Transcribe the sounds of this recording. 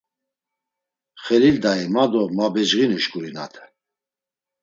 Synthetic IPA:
χɛlild̪aimad̪ɔmabɛd͡ʒʁinuʃkʼuɾina̰t̪ʰɛ̥

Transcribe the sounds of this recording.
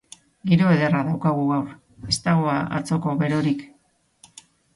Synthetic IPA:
ɡiɾo̞eðe̞raðawkaɣuɣawr | e̞st̪aɣ̞oaʔa̰t͡so̞ko̞βe̞ɾo̞ɾik

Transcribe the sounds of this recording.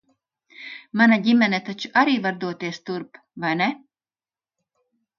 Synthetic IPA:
manaɟimɛnɛt̪at͡ʃuʔaɾiːvaɾd̪uɔt̪iɛst̪uɾp | vajnɛ

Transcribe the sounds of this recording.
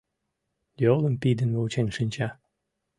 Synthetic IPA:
jolˠə̆mpid̪ə̆nβolt͡ɕenʲʃɨnʲt͡ɕɑ

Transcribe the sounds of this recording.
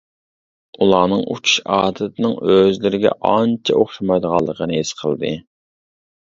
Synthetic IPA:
ulˠɑːnɨŋʔṵt͡ʃʰu̥ʃɑːd̪ɨt̪ʰɪnɨŋøzlɪɾɪɡʲɛ̰ʔɑnt͡ʃʰɛʔoχʃɑmɑjd̪əʁɑlˠːəqʰənɨesqʰə̰lˠd̪ɨ

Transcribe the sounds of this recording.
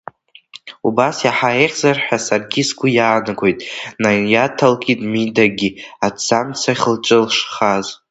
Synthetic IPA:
ubasjaħaeχʲzarħʷᶣasarɡʲisɡʷʊjaːnɨɡʷo̞jtʼnajatʰalkʲʼitʼmidaɡʲiat͡samt͡sʰaχəlʈ͡ʂʼɨlʂχaz

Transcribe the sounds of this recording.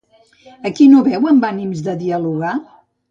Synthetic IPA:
əkinoβɛwəmbanimzðəðiəluɣa

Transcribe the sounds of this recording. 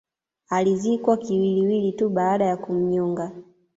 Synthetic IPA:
alizikwakiwiliwilituɓaːɗajakum̩ɲɔŋɡa

